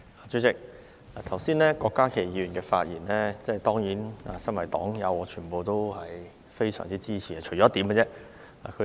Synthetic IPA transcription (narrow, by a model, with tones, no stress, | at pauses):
aː˨˩t͡ʃy˨˥t͡sɪ˨k̚ | aː˨˩t̪ʰɐ˨˩wsiː˥nlɛː˥kɔː˧kːaː˥kʰe˨˩jiː˧ɥy˨˩nkɛ˧fa̰ː˧t̚jiː˨˩nlɛː˥t͡sɛ˥˩t̪ɔː˥ŋjiː˨˥naː˧sɐ˥nwɐ˨˩jt̪ɔ̰ː˨˥ŋjɐ˨˧wɔː˨˧t͡ʃʰyː˨˩npo˨wt̪o˥whɐ˨j | fe˥jsœ̰ː˨˩ŋt͡siː˥t͡siː˥t͡ɕʰiː˨˩a˧t͡ʃʰɵ˨˩t͡ʃɔː˨˥t̪iː˨˥mŋkɐ˧t͡sɛ˥ | a̰˨kʰɵ˧